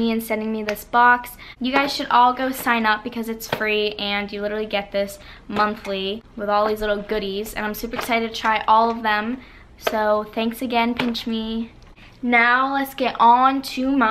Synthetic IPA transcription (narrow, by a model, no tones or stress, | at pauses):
iɨ̃nsɛ̃ndɪ̃ŋmiðɪsb̥ɑksjɨɡaɪz̥ʃɨɾʔɔlˠɡoʊsãɪ̃nʌp̚b̥ɨkʰʌzɨtsfɹiɨ̃njɨlɪɾə˞l̩ˠiɡɛt̪̚ðɪs | mʌ̃nθliwəðɔlˠðizlɪɾl̩ˠɡʊɾizɨ̰̃ñãɪ̃msʉpə˞ɨksaɪɾɨdtʰːɨtʰɹ̥aɪʔɔlˠʌvðə̃m | soʊθæ̃ŋksɨɡɛ̃npʰɪ̃nt͡ʃmi | naʊlətsɡ̥ɛɾʔn̩tʰʉmʌ